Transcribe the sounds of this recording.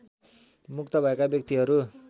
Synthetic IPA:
muk̚t̪abʱakabjʌk̚t̪iɦʌɾu

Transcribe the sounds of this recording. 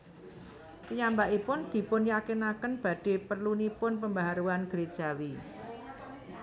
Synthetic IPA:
kəɲambaʔipʊnd̪̥i̤pʊnjakenakənb̥ä̤d̥e̤pərlunipʊnpəmbaɦaɾuanɡ̥əɾed̥ʒ̥a̤wi

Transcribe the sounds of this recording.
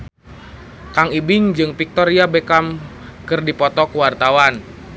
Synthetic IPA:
kaŋibɪŋd͡ʒɨŋpik̚t̪ɔɾiabekamkɨrdipɔt̪ɔkuwart̪awan

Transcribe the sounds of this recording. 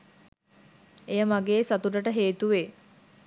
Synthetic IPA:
ejəmaɡeːsat̪uʈəʈəɦeːt̪uʋe

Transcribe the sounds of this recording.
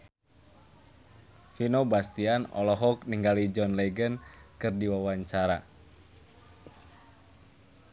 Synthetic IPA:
finobast̪ianɔ̰lɔɦɔkniŋɡalid͡ʒɔnlɛɡənkɨrdiwawaɲt͡ʃaɾa

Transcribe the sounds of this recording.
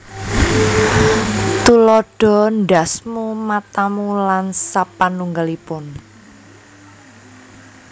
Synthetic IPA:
t̪ulɔɖ̥ɔ̤nɖa̤smumat̪amulansapanuŋɡalipʊn

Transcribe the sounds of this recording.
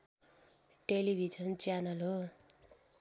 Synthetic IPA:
ʈelibʱid͡ʒʌnt͡sjanʌlɦo

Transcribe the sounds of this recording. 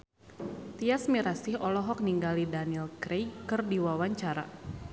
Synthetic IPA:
t̪iasmiɾasihɔlɔɦɔk̚niŋɡalidanilkɾejkɨrdiwawaɲt͡ʃaɾa̰

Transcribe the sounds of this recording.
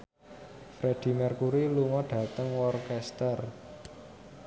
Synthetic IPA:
fɾed̪̥i̤mɛrkuɾiluŋɔɖ̥ä̤t̪əŋwɔrkɛst̪ər

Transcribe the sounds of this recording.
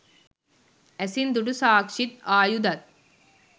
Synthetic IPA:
æsind̪uɖusaːkʃit̪aːjud̪ɐt̪̚

